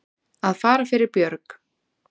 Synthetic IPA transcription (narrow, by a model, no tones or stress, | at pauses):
aðfaːɾafɪɾɪɾpjœɾk